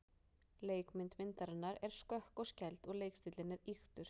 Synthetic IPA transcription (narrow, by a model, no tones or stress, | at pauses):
leːjkmɪnt̪mɪnt̪aɾɪnːaɾɛɾ̥skœhkɔscɛjlt̪ɔɣleːjkst̪iːt̪lɪnɪɾixt̪ʏɾ̥